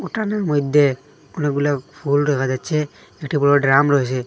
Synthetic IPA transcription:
ɔʈanamɔjd̪e | kɔneɡulakpʰulɾɔkʰad͡ʒat͡ʃʰeː | kʈibɔɽɔɖɾamɾɔɦse

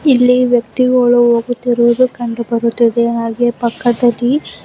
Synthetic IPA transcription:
ilːiʋjɐk̚t̪iɡɐɭuoːɡut̪ːiɾuʋɐd̪ukɐɳɖubɐɾut̪ːiðenaːɡepɐkːɐd̪ɐlːi

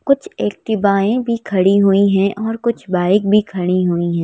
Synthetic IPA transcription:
kʊt͡ʃʰeːk̚t̪ɪbaːẽbʱikʰɐɽiɦuiɦɛ̃ʔɔːɾkʊt͡ʃʰbaːɪk̚bʱikʰɐɽiɦuiɦɛ̃ː

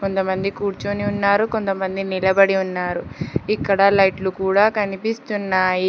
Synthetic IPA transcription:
ko̞nt̪ɐmɐnd̪ikuːɾt͡ʃuniunːaːɾuko̞nt̪ɐmɐnd̪inilɐbɐɽiunːaːɾuikːɐɽɐlɐjʈlukuːɽaːkɐnipist̪unːaːji

